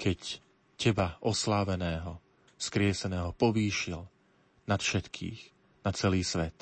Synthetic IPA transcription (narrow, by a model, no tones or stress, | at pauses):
kʰɛc | cɛbaʔɔslaːʋɛnɛːɦɔ | skɾɪɛsɛnɛːɦɔpɔʋiːʃil | nat̪fʃɛt̪kʰḭːx | nat͡sɛliːsʋɛt̪